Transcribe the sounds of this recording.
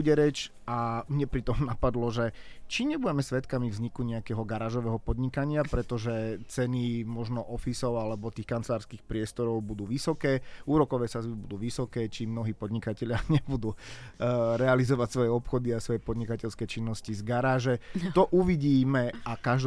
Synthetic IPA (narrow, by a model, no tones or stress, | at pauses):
uɟɛɾɛt͡ʃ | amɲɛpɾit̪ɔmnapad̪lɔʒɛt͡ʃiɲɛbuɟɛmɛsʋɛt̪kamivzɲikuɲɛakɛːɦɔɡaɾaːʒɔʋɛːɦɔpɔd̪ɲikaɲɪapɾɛt̪ɔʒɛt͡sɛnimɔʒnɔʔɔfisɔʊalɛbɔt̪iːxkant͡sɛlaːɾskiːxpɾɪɛst̪ɔɾɔʊbud̪uːʋisɔkɛːuːɾɔkɔʋɛːsazbibud̪uːʋisɔkɛːt͡ʃimnɔɦiːpɔd̪ɲikacɛʎɪaɲɛbud̪u | ɾɛalizɔʋacsʋɔjɛɔpxɔd̪iasʋɔjɛpɔd̪ɲikacɛʎskɛt͡ʃinːɔscizɡaɾaːʒɛt̪ɔʔuʋiɟiːmɛakaʒd̪